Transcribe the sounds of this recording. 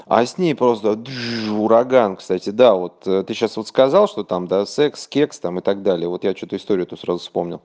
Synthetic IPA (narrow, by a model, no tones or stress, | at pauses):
ɐ̰sʲnʲejpɾo̞st̪əd̪ʊɾɐɡankst̪atʲɪd̪avo̞t̪ːt̪ɨɕːasvot̪skɐzɑlˠʂt̪o̞t̪amd̪asɛkskʲekst̪amɨt̪aɡ̚d̪alʲɪjəvo̞t̪jat͡ɕut̪əɪst̪o̞ɾʲɪʊt̪usɾazʊfspo̞mnʲɪ̰lˠ